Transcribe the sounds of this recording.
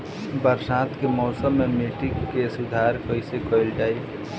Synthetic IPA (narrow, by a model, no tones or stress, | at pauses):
bəɾsaːt̪kemɔːsəmːẽmiʈɪkkːesʊd̪ʱaːɾkɔisekɔɪld͡ʒaːi